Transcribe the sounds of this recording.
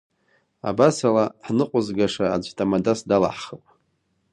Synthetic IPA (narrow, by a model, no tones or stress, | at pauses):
a̰basalaħnɨqʷʼʊzɡaʂaːd͡ʒʷtʼamadasdala̰ħχəpʼ